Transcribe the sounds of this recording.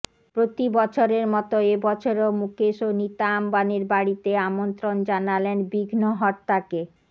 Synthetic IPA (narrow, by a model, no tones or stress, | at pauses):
pɾot̪ibɔt͡ɕʰoɾeɾmɔt̪oebɔt͡ɕʰoɾomukeʃonit̪ambaneɾbaɽit̪eamont̪ɾond͡ʑanalenbiɡʱnoɦɔt̪ːake